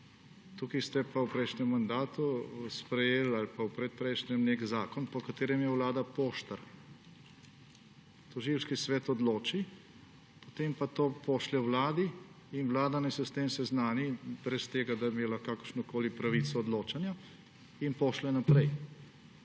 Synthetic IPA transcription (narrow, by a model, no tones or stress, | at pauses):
t̪ukist̪ɛpawpɾɛjʃnɛmːand̪aːt̪uspɾɛjeːlalpawpɾɛt̪̚pɾɛjʃnʲɛmnekzaːkɔnpɔkat̪eːɾɛmjɛwlaːd̪apoːʃt̪ɐɾ | t̪ɔʒiwʃkisʋɛːt̪ɔd̪loːt͡ʃi | pot̪empat̪oːpɔʃlɛwlaːd̪i | inwlaːd̪anajsɔst̪emsɛznaːnibɾɛst̪eːɡad̪ameːlakakəɾʃnɔkoːlipɾaʋit̪sɔːd̪loːt͡ʃanja | inpɔʃlɛnapɾɛj